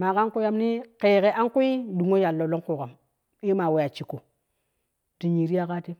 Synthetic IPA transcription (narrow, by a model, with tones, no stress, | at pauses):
ma˨ka˦ŋku˦ja˦mni˦ke˨ke˨ʔa˦ŋku˦i˦du˨ŋo˦ja˨lːo˨lo˦ku˨ka˨m | i˦ma˨we˨ja˨t͡ʃi˨ko˨ | ti˨ɲi˨ɾi˦ja˦ka˦ti˦